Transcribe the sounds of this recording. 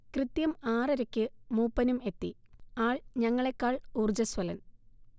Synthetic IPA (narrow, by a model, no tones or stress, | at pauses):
krɨt̪jɐmaːrɐɾɐkʲːɨmuːpːɐnume̞t̪ːi | aːɭɲɐŋːɐɭe̞kːaːɭuːrd͡ʑɐswɐlɐn